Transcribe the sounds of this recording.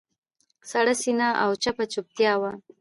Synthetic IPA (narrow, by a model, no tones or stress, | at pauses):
saɽasinaʔawt͡ʃapat͡ʃup̚t̪jɑwa